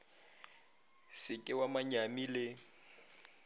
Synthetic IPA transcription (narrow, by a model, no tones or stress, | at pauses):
sɪkʼɪwamaɲamilɪ